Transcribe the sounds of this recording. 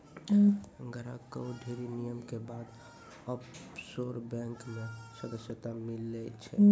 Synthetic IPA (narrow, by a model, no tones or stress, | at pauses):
ɡəɾakəwɖʱeɾinijəmkebaːd̪ | ɔpsoɾbɛ̃ŋkmẽsəd̪əsjət̪amɪlːet͡ʃʰɛ̰